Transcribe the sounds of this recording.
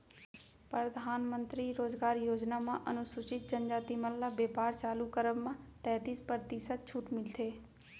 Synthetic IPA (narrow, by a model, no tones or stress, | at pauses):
pɾəd̪ʱaːnmə̃nt̪ɾiɾoːzɡaːɾjoːd͡ʒnamãʔɐnʊsʊt͡ʃɪt̪̚d͡ʒənd͡ʒaːt̪iməllabeːpaːɾt͡ʃaːlukəɾəbmãt̪ɛːt̪ispəɾt̪isət̪̚t͡ʃʰuːʈmɪlt̪ʰeː